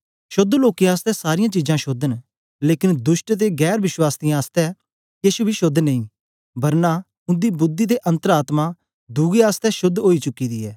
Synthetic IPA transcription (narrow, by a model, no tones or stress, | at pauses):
ʃʊd̪ːloːkiãaːst̪ɛsaːɾɪjãt͡ʃiːd͡ʒãʃʊd̪ən | leːkɪnd̪ʊʃʈt̪̬eɡɛːɾʋɪʃwaːst̪ijãaːst̪ɛ | jiːʃubʱiʃʊd̪ːnɐĩ | bɐɾna | ʊ̃nd̪ibʊd̪ːid̪eʔɐ̃nt̪əɾaːt̪ma | d̪uːɡeaːst̪ɛʃʊd̪ʱːɦoːit͡ʃʊkːid̪iɛ̰ː